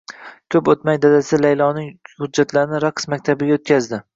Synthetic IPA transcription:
kʲʰɵpot̪majd̪ad̪asɪlajlˠɒnɪŋhʊd͡ʒːat̪ʰlaɾnɪɾaqsmak̚ʲt̪ʰabɪɡʲaot̪̚kʲʰazd̪ɪ

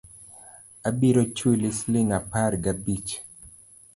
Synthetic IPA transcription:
abiɾot͡ʃwilislɪŋaparɡabit͡ʃ

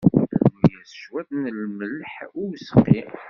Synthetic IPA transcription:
njæsə̥ʃwæθnəlməlħʊwisə̥qːi

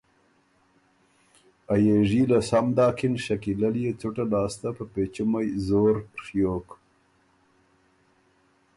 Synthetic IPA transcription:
ajeʐilasamd̪ɑːkʰinʃakilalijet͡sʊʈanɑːst̪apəpet͡ʃimajzoːɾʂjoːk

